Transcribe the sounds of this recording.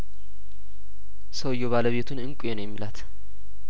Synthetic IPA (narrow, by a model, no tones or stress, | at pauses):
səwɨjːoβaləβe̞t̪ʰunɨŋkʼʊjenəwjɛmːilat̪